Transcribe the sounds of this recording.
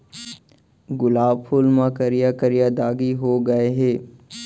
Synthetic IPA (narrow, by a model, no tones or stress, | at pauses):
ɡʊlaːbpʰʊlmakəɾijakəɾjad̪aːɡiɦoɡɐeɦɛː